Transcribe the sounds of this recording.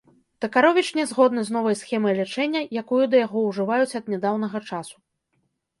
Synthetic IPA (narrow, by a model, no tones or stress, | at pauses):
t̪ɐkaɾɔvʲit͡ʂnʲɛzɣɔd̪nɨznɔvɐjsxʲɛmɐjlʲɛt͡ʂɛnʲːɐjakujud̪ɐjaɣɔwʐɨvajut͡sʲɐd̪nʲɛd̪awnɐɣɐt͡ʂasu̥